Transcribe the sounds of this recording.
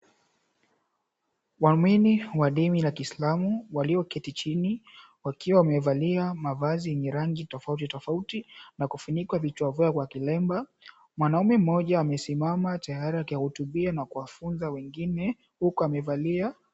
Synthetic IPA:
wamwiniwaɗimilakiːslamuwaliɔkɛtit͡ʃini | wakiwawamɛvaliamavaziɛɲɛɾaŋɡitɔfautitɔfautinakufuɲikwavit͡ʃwavuakwakilɛmba | mwanaumɛm̩ɔʄaːmɛsimamatajaɾiakihutuɓianakuwafunzawɛŋɡinɛ | hukuamɛvalia

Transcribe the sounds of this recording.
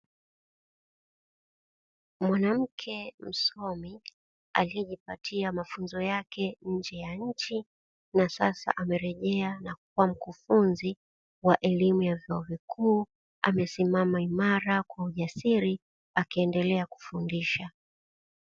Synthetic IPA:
mwanam̩kʰɛm̩sɔmi | a̰liɛʄipatʰiamafunzɔjakɛɲ̩d͡ʒɛjaɲ̩t͡ʃi | nasasa̰ʔamɛɾɛʄɛanak̚uwam̩kufunzi | waʔɛlimujavjɔɔvikʰuː | a̰mɛsimamaimaɾakwauʄasiɾi | akiɛndɛlɛaku̥fundiʃa

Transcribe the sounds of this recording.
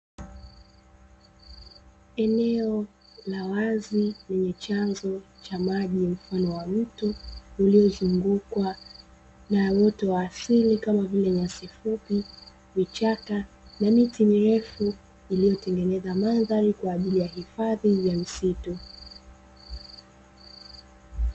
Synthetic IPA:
ɛnɛɔ | lawazilɛɲɛt͡ʃanzɔt͡ʃamaʄim̩fanɔwam̩tuːliɔzuŋɡukwa | nawɔtɔwaːsilikamavilɛɲasifupi | vit͡ʃaka | namitimiɾɛfu | ilijɔtɛŋɡɛnɛzamanðaɾikwaːʄilijahifaðivam̩situ

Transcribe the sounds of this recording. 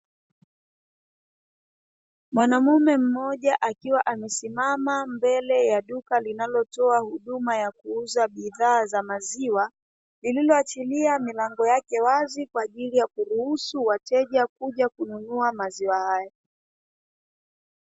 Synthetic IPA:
mwanamumɛm̩mɔʄaʔakiwaʔamɛsimamambɛlɛjaɗukalinalɔtɔahuɗumajakuuzaɓiðaːzamaziwa | lililɔat͡ʃiliamilaŋɡɔjakɛwazikwaːʄilijakuɾuhusuwatɛʄakuʄakununuamaziwahaja

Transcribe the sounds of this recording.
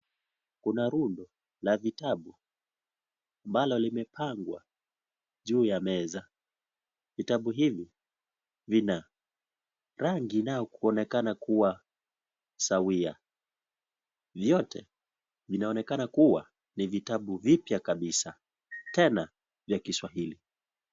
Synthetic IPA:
kunaɾundɔ | lavitaɓu | ambalɔlimɛpʰaŋɡwa̰ | ʄuːjamɛza | vitaɓuɦivi | vina | ɾaŋɡinaɔkuɔnɛkanakuwa | sawia̰ | vjɔtʰɛ̰ | vinaɔnɛkanakuwa | nivitaɓuvipjakaɓisa | tɛna | vjakiswaɦili

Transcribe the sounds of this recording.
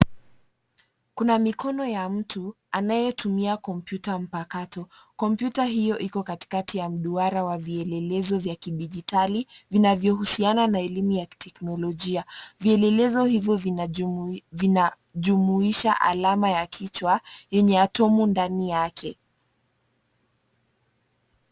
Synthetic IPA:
kunamikɔnɔjam̩tʰu | anajɛtʰumiakɔmpjutam̩pakatɔkɔmpjutaɦijɔʔikɔkati̥katijam̩ɗuaɾawaviɛlɛlɛzɔvjakiɗiʄitalivinavjɔhusiananaɛlimujaki̥tʰɛknɔlɔʄiaviɛlɛlɛzɔhivjɔv | ina | ʄumuiʃaʔa̰lamajakʰit͡ʃwajɛɲɛatɔmundanijakʰɛ

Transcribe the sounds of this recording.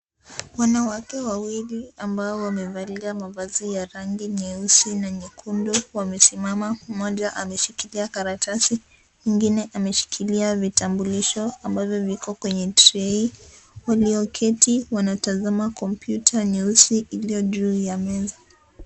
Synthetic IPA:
wanawakɛwawiliambaɔwamɛvaliamavazijaɾaŋɡiɲɛusinaɲɛkʰundɔwamɛsimamamɔʄaʔamɛʃikiliakaɾatʰasi | miŋɡinɛʔamɛʃi̥kʰiliavitambuliʃɔambavjɔvikɔkwɛɲɛtɾɛiwaliɔkʰɛtiwanatazamakɔmpjutʰaɲɛusiʔiliɔʄuːjamɛza

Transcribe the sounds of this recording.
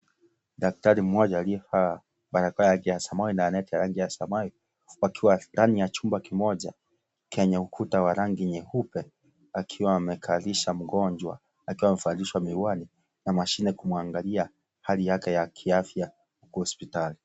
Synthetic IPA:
ɗak̚taɾim̩mɔʄaːliɛfa | ɓaɾakajaŋɡijaasamainaanɛtijaɾaŋɡijasamai | wakʰiwandanijat͡ʃumbakimɔʄa | kʰɛɲaukʰutawaɾaŋɡiɲɛhupɛ | akʰiwaːmɛkʰaliʃam̩ɡɔɲd͡ʒwa̰ | akiwamɛfaliʃwamiwani | namaʃinɛkumuaŋɡalia | halijakɛjakʰiafja | hukuhɔspitali

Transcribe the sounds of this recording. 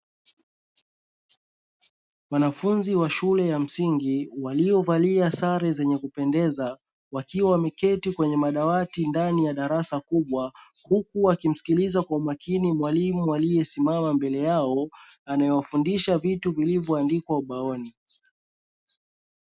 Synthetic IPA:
wanafunziwaʃulɛjam̩siŋɡiwaliɔvaliasaɾɛzɛɲɛkupɛndɛza | wakiwawmɛkɛtikwɛɲɛmaɗawatindanijaɗaɾasakuɓwa | hukuwakim̩si̥kilizakwaumakʰinimwalimualijɛsimamambɛlɛjaɔ | anajɔwafundiʃavituvilivjɔandikwauɓaɔni

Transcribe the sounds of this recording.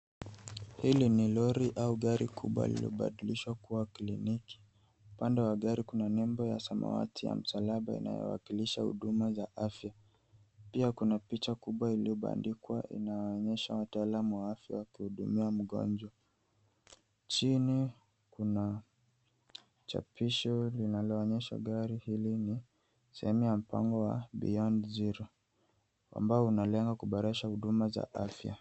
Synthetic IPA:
hilinilɔɾiʔauɠaɾikʰṵɓwa̰ilḭlḭɔ̰ɓa̰ɗiliʃwakuwakliniki̥ | upandɛwaɠaɾikunanɛmbɔja̰sama̰wa̰tʰija̰m̩salaɓaḭna̰jɔ̰wa̰kiliʃahṵɗumazaʔafja | piakunapit͡ʃakuɓwailiɔɓa̰ndikwaʔḭnaɔɔɲɛʃawataːlamuwaafja̰wakihuɗumiam̩ɠɔ̰nd͡ʒwa | t͡ʃini | kuna | t͡ʃa̰piʃɔlinalɔːɲɛʃa̰ɠaɾihilini | sɛhɛmujam̩pʰa̰ŋɡɔwa̰ɓḭɔnziɾɔ | a̰mbaɔunalɛŋɡakuɓaɾɛʃahuɗumaza̰ʔa̰fja̰

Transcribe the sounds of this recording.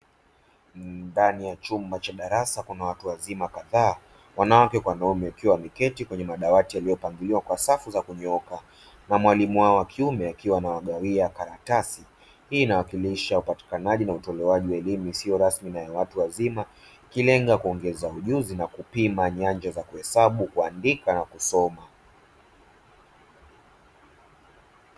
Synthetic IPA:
danijat͡ʃumbat͡ʃaɗaɾasakunawatuwazimakaðaː | wanawakɛkwanaumɛakiwamikɛtikwɛɲɛmaɗawatijalijɔpaŋɡiliwakwasafuzakuɲɛɔka | namwalimuwaɔwakʰiumɛakiwanawaɠawiakaɾatasi | hiːnawakiliʃaupati̥kanaʄinautɔlɛwaʄiwaɛlimuisiɔɾasminajawatuwazima | ikilɛŋɡakuɔŋɡɛzauʄuzinakupimaɲaɲd͡ʒazakuhɛsaɓukuandikanakusɔma

